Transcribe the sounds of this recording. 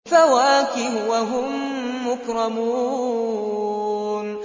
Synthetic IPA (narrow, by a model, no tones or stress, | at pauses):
fawaːkɪɦʊwaɦʊmː | ʊkɾˤɑmuː | n